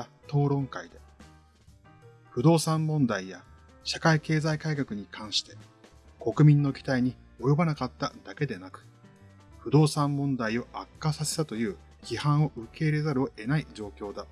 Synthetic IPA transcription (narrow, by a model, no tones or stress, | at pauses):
t̪o̞ːɾõ̞ŋkaid̪e̞ | ɸɯ̟d̪o̞ːsãmːõ̞nd̪aija | ɕakaike̞ːzaikaikakɯ̟ɲ̟ikʰãɰ̃ɕi̥t̪e̞̥ | ko̞kɯ̟mʲĩnːo̞kʲi̥t̪aiɲ̟i | o̞jo̞banakat̪ːad̪̥ake̞d̪e̞nakɯ̟̥ | ɸɯ̟d̪o̞ːsãmːõ̞nd̪aio̞ʔakːasase̞̥t̪at̪o̞jɯ̟ː | ç̥ʲihãɰ̃o̞ʔɯ̟ke̞ːiɾe̞zaɾɯ̟oʔe̞naid͡ʑo̞ːkʲo̞ːd̪a